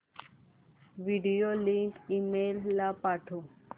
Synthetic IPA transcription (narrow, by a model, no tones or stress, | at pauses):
ʋiɖijoliŋkimeːlːapaʈʰo